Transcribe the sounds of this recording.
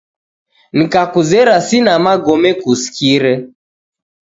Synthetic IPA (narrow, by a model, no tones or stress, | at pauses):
nikakuzɛɾasinamaɡɔmɛkusi̥kiɾɛ